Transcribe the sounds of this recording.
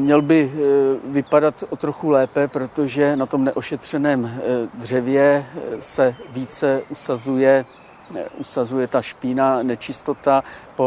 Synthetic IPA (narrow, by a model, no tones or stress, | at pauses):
mɲɛlbɪvɪpadat̪ot̪ɾo̞xulɛːpɛpɾo̞t̪o̞ʒɛnat̪o̞mnɛʔo̞ʃɛt̪r̝̥ɛnɛːmd̪r̝ɛvjɛsɛviːt͡sɛʔusazujɛ | ʔusazujɛt̪aʃpɪnanɛt͡ʃɪst̪o̞t̪apo